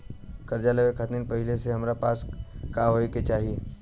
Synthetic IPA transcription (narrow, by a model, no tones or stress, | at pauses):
kɐɾd͡ʒaleʋekʰət̪ninpɐɦɪleseɦɐmɾapaːskaːɦoːeket͡ʃaːɦie